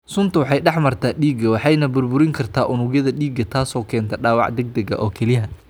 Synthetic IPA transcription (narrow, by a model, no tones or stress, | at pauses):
sʊnt̪ʰɐwɑħɑjɖɑħmɐrt̪ʰaːɗiːɡɐwɑħɑjnɐbʊrbʊɾɪŋkʰɐrt̪ʰaːʔʊnʊɡjɐðɐɗiːɡɐt̪ʰaːsɔːkʰɛːnt̪ʰɐɖaːwɑʕd̪ɛɡ̚d̪ɐɣɐ̰ʔɔːkʰɛlɪɦɐ